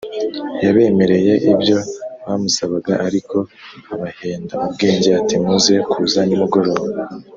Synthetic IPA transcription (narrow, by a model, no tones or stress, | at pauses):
jaβe̞ːme̞ɾe̞je̞ʔibjo̞βaːmusaβaɡa̰ʔaɾiko̞aβaheːndaubɡe̞ːɲɟeatimuze̞kʰuːzanimuɡo̞ɾo̞ːβa